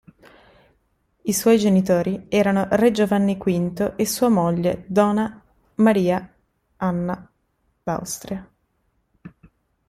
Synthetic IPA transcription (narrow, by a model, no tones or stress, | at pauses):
iswɔjd͡ʒenit̪oːɾiɛːɾanored͡ʒovanːikwint̪oʔesːuːamoʎːed̪ɔna | maɾiːa | anːa | d̪̥a̰wst̪ɾia